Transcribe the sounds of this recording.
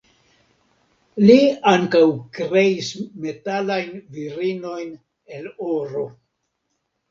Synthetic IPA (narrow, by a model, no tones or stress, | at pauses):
liaŋkawkɾe̞isme̞talajnviɾino̞jn | e̞loɾo̞